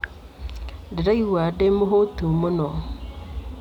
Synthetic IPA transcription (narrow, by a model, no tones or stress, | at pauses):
dɪɾaiwaːdemʊɦotumʊnɔ